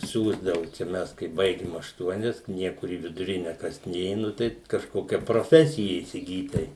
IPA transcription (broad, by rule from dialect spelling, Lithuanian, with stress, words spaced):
ˈsʲuːzdɐʋʊ t͡ʃʲɛ ˈmʲɛs kɐɪ ˈbɐɪɡʲɪm ɐʃˈtuɔnʲɛs ˈnʲiɛkʊr iː ʋʲɪdʊˈrʲɪnʲɛ ˈkɐs ˈnʲeː ˈnʊ tɐɪ kɐʃˈkoːkʲɛ proːˈfʲæːsʲɪjɛ iːsʲɪˈɡʲiːt ˈtɐɪ